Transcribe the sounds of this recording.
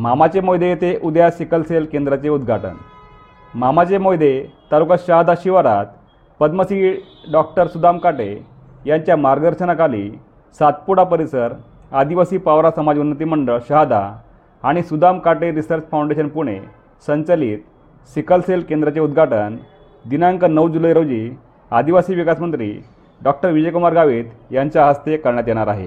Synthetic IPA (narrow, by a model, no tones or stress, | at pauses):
mamat͡ɕemojd̪ʱet̪eʔud̪jasikəlselkẽnd̪ɾat͡ɕeud̪ɡʱaʈə̰n | mamat͡ɕemojd̪ʱet̪alukaɕəɦad̪aɕiʋaɾat̪ | pəd̪məsiː | ɖɔk̚ʈəɾsud̪amkaʈḛ | jaɲt͡ɕjamaɾɡəd̪əɾɕənakalḭː | sat̪̚puɽapəɾisəɾ | ad̪iʋasiːpaʋɾasəmad͡ʑunːət̪̬iməɳɖəɭɕəɦad̪a̰ | aɽ̃isud̪amkaʈeɾisəɾt͡ɕfawɳɖeɕənpuɽ̃ḛ | səɲt͡ɕaliːt̪̚ | sikəlselkend̪ɾat͡ɕeud̪ɡʱaʈən | d̪inaŋkənəwd͡ʑulajɾod͡ʑiː | ad̪iʋasiːʋikasmənt̪ɾḭː | ɖɔk̚ʈəɾʋid͡ʑəjkumaɾɡaʋiːd̪jaɲt͡ɕjaɦəst̪ekəɾɳjat̪jɛɽ̃aɾaɦḛ